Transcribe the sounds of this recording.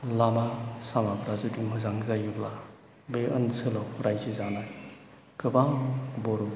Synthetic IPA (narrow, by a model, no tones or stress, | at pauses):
lamasamapɾazudimɯzaŋzajubla | beʔɯ̰nsʰɯlawɾajzizanaj | kɯbaŋbɔɾu